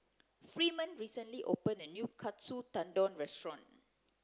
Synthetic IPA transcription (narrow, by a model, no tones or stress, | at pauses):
fɹimə̃nɹisə̃nliʔo̰pə̃nənjukʰatsut̪ãndɔ̃nɹɛstɹɔ̃n